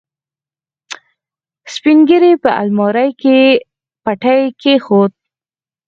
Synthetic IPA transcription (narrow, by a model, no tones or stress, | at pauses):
spiŋɡəɾepəa̰lmɔɾajke | paʈajkexod̪̚